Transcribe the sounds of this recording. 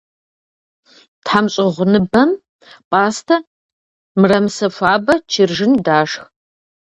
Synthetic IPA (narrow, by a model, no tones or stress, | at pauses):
tħamɕʼɪʁʷʊnɨbɐm | pʼaːstʰɐ | mɨrɐmsɐfʷaːbɐt͡ʃʰɪrʒɪndaːʂx